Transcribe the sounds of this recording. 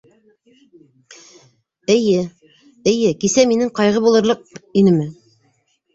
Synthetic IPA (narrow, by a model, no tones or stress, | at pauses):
ɘ̆jɘ | ɘ̆jɘkisæminɘŋqɑjʁɤbulˠɤ̆ɾlˠɤq̚inɘmɘ